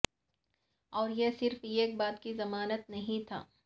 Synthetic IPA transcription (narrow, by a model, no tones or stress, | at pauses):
ɔːɾjesɪɾfeːk̚baːt̪kizɐmaːnət̪nɐɦĩt̪ʰa̰ː